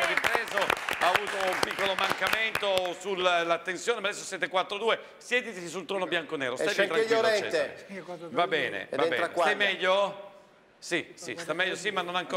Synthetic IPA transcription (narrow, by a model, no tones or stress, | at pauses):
ripɾeːzoaːvuːt̪oumpikːolomaŋkament̪osullːat̪ːensjoːnemad̪ɛsːosjɛːt̪ekwat̪ːɾod̪uːe | sjɛːt̪it̪isis̬ult̪ɾɔːnobjaŋkoneːɾo̰st̪ajvit̪ɾakːilɛɛḛ | vabɛːnḛvabɛ̰ːɾaesajmɛʎːo | sisḭst̪amɛʎːosimːanːonaŋko